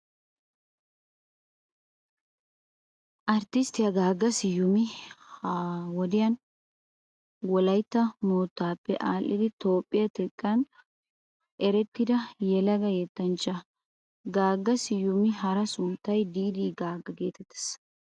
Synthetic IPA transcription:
ʔɐɾt̪ɪst̪ɪjɐɡaːɡːɐsɪjʊmɪhawɔd̪ɪjɐn | wɔlɐjt̪ːɐmoːt̪ːaːpːɛʔaːlːɪd̪ɪt̪o̞ːpʼːɪjɐt̪ɛkʼːɐn | ʔɛɾɛt̪ːɪd̪ɐjɛlɐɡɐjet̪ːɐnt͡ʃːɐ | ɡaːɡːɐsɪjʊmɪɦɐɾɐsʊnt̪ːɐjd̪iːd̪iːɡaːɡːɐɡe̞ːt̪ɛt̪ːɛ̥s

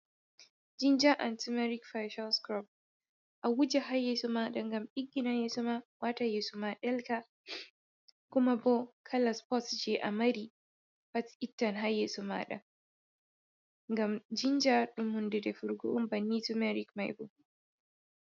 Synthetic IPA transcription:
d͡ʒind͡ʒaʔantumɛɾikfajʃalskɾɔb̚ | ʔawud͡ʒɛɦajːesumaːɗaŋɡamɓiɡːinajesumawatajesumaɗɛlka | kʊmabɔkʰalaspɔtd͡ʒɛʔa̰mɐɾi | patitːanɦajːesuma̰ːɗa̰ | ŋɡamd͡ʒind͡ʒaɗʊmhʊndɛdɛfʊɾɡṵʔmbɐnːitumɛɾikma̰jbṵ

